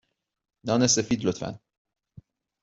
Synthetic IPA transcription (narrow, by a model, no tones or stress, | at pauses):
nɑnesefiːd̪lot̪fæ̰n